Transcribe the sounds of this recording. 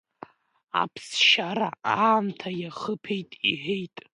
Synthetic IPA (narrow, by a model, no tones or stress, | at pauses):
a̰pʰsʃaɾaaːmtʰajaχəpʰe̞jtʼḭħejtʼ